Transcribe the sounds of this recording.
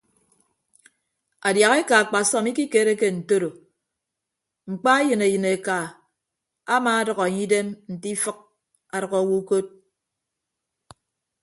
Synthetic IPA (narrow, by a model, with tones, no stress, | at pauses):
a˨dja˨ɣe˦ka˨a˨k͡pa˨sɔ˦mi˦ki˦keː˨˦ɾe˦ke˦n̩˨to˦ɾo˨ | ŋ͡m̩˨k͡pa˦e˦jɨ˨ne˨jɨ˨ne˨ka˨ | a˦maː˨a˦dʌ˨ɣɔ˨ɲi˦de˦mn̩˨ti˦fɨ˦k̚ | a˨ɾʌ˨ɣɔ˨˦wu˦ko˦t̚